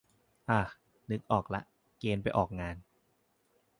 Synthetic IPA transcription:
ʔaː˧˩ | nɯ˦˥k̚ʔɔː˨˩k̚la˦˥ʔ | keː˧npa˧jʔɔː˨˩k̚ŋaː˧n

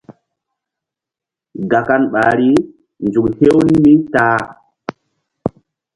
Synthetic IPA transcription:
ɡa˨ka˦nɓa˨ɾi˦ | nd͡ʒu˨khe˦wni˦mi˦taː˦

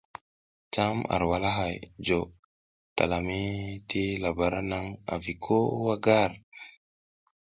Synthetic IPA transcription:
ta˦ma̰˨ɾwa˨la˦ɦa˨jd͡ʒo˨ | ta̰˨la˨mi˦tʰi˦la˨ba˨ɾa˦na˦ŋa̰˨vi˨kʰo˦wa˦ɡa˦ɾ

